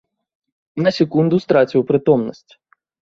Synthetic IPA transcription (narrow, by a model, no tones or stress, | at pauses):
nɐsʲɛkund̪ust̪ɾat͡sʲiwpɾɨt̪ɔmnɐ̰sʲt͡sʲ